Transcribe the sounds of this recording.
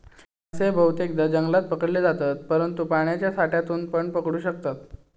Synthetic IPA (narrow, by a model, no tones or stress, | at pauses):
əsebʱəwt̪jek̚d̪ad͡ʑəŋɡlat̪̚pəkəɽled͡zat̪at̪̚pəɾənt̪upaɳ̃jat͡ɕjasʰaʈjat̪uːnpəɳpəkɽuːɕək̚t̪at̪